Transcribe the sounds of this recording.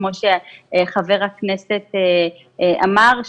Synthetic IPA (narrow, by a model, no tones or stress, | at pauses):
moʃeχave̞ʁhakneset̪e | amaʁ